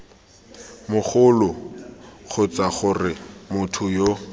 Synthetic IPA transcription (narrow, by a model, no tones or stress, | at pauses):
mʊχʊlʊ | χʊt͡saχʊrɪmʊtʰʊjo